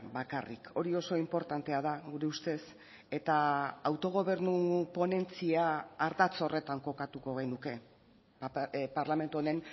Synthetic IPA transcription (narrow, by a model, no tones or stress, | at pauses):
bakarḭko̞ɾio̞so̞impo̞ɾt̪ant̪eað̞aɣuɾe̞ust̪e̞s | e̞t̪aːwt̪o̞ɣ̞o̞β̞e̞ɾnupo̞ne̞nt͡siaːɾðat͡so̞re̞t̪aŋko̞kat̪uko̞ɣejnuke̞ | paɾlame̞nt̪uone̞n